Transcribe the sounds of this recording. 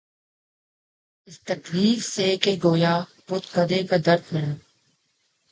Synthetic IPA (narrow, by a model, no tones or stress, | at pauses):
ɪst̪əkliːfseːkeɡoːjaːpʊt̪kəd̪eːkad̪əɾd̪mɪɳː